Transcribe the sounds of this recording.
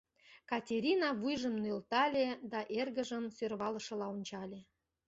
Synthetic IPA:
kɑtʲeɾʲinɑβujʒə̆mnølt̪ɑlʲed̪ɑʔerɣə̆ʒə̆nsørβɑlɤ̆ʃɤ̆lɑunʲt͡ɕɑlʲe

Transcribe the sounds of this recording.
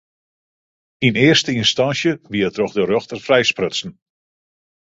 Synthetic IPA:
inɪərstəinstɑnsjəʋiətrɔxdəɾøxtərfrɛjsprøsn̩

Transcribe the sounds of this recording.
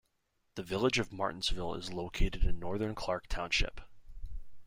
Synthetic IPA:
ðɨvɪlˠəd͡ʒʌvmɑ̰ɹʔn̩zvɪlˠɪ̰zloʊkʰeɪɾɨɾɨ̃nːɔɹðə̃˞nkʰl̥ɑɹk̚tʰãʊ̃nʃɪ̰p

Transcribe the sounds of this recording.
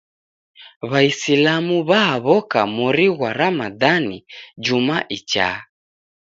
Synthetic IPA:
βaisilamuβaɦaβɔkamuɾiɣwaɾamaðanid͡ʒumaʔit͡ʃa̰

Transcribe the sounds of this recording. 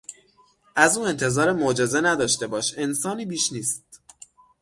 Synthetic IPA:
ʔæzuːe̞nt̪ʰe̞zɒːɾemod͡ʒe̞ze̞næd̪ɒːʃt̪e̞bɒːʃe̞nsɒːniːbiːʃniːst̪̚

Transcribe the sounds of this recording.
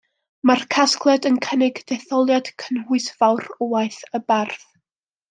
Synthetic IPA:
markʰaskʰlˠɛdənkʰənɪɡd̥ɛθɔlˠjad̥kʰənhʊɨsv̥awrɔwaɨθəbarθ

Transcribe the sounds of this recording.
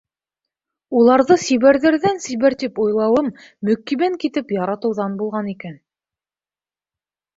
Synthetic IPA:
ulˠɑɾðɤsiβæɾðæɾðænsiβæɾt̪ipŏjlˠɑwɤmː | ɵ̆kːiβæŋkit̪ɘpjɑɾɑt̪ɤ̆wðɑnbulˠʁɑnikæn

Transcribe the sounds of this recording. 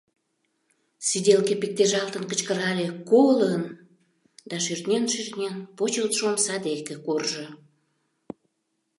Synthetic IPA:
sid̪ʲelkepik̚t̪eʒɑlt̪ənkət͡ɕkəɾɑlʲekoɣlən | d̪ɑʃyrt̪nʲenʃyrnʲenpot͡ɕelt̪ʃomsɑd̪ekekorʒə

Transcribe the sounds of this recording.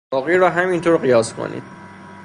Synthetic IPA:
ɒːɣiɾɒːɦæmint̪ʰoːɾɢijɒːskʰo̰nḭd̪̥

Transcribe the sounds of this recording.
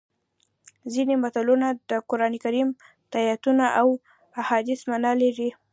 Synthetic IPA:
zinemat̪alunad̪əkʊɾɑnekaɾim | t̪ajat̪unaʔaw | ahɑd̪ɪsmanɑlaɾi

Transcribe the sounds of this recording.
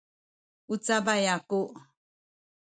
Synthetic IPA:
ut͡sabajakuʔ

